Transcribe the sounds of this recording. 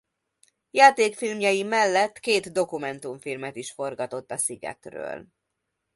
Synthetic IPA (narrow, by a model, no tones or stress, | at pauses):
jaːt̪eːkfilmjɒjimɛlːɛt̪ːkeːt̪d̪o̞kumɛnt̪uɱfilmɛt̪iʃfo̞rɡɒt̪o̞t̪ːɒsiɡɛ̰t̪rø̰ːl